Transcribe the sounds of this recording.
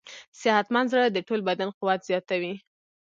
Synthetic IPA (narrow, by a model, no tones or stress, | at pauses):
sɪhat̪manzɾad̪əʈolbad̪anqʊwat̪z̥jɑt̪awi